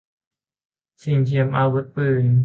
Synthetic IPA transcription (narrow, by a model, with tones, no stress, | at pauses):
si˧˩ŋt̪ʰi˧˩əmʔaː˧wu˧˦t̪̚pɯː˧˩n